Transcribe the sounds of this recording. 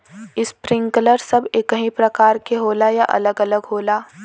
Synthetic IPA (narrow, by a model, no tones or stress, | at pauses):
ɪspɾɪ̃ŋkələɾsɐbekɐɦĩpɾɐkaːɾkeɦoːlajaʔɐ̰ləɡɐləɡɦoːlaː